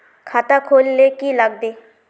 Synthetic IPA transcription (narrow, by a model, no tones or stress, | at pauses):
kʰaːt̪akʰoːlːekiləɡ̚d̪eː